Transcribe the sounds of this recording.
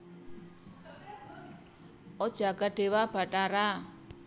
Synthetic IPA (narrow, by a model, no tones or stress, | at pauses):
ɔd̥ʒ̥a̤ɡ̥a̤ɖ̥e̤wab̥a̤ʈaɾa